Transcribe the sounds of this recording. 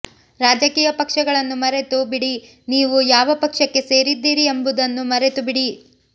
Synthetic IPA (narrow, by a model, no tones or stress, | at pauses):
ɾaːd͡ʒɐkiːjɐpɐkʂɐɡɐɭɐnːumɐɾe̞t̪ubiɽi | niːʋujaːʋɐpɐkʂɐkːe̞se̞ːɾid̪ːiːɾiembud̪ɐnːumɐɾe̞t̪ubiɽi